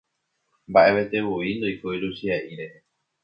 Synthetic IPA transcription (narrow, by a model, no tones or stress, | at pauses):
mbaʔe̞ʋet̪e̞βoind̪oikoiɾuʃiaʔiɾe